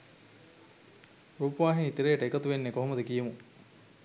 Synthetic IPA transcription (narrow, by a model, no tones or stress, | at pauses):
ɾuːpʋaːɦiŋit̪iɾeːʈəekɐt̪uʋenːekoɦomɐd̪ekijemu